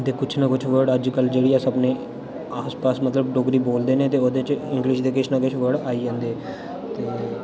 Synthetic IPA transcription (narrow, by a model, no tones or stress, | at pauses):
d̪eːkʊt͡ʃʰnakʊt͡ʃʰʋəɽəd͡ʒkəld͡ʒeːɽiːaːsəbneː | aːspaːsmət̪ləbʈoːɡɾiːboːld̪eːnẽːt̪eːoːd̪et͡ʃɪ̃ŋɡlɪʃd̪eːkɪt͡ʃʰnaːkʊt͡ʃʰʋəɽaːiːd͡ʒãːnd̪eː | t̪eː